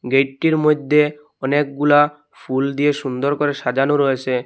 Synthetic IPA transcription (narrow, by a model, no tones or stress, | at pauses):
ɡejʈʈiɾmojd̪ʱːe | ɔnek̚ɡula | fʰuld̪ijeʃund̪oɾkoɾeʃad͡ʑanoɾojet͡ɕʰe